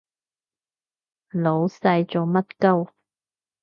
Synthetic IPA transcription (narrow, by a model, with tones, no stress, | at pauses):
lo˨˧wsɐ˧jt͡so˨˩mɐ˥t̚kɐ˥w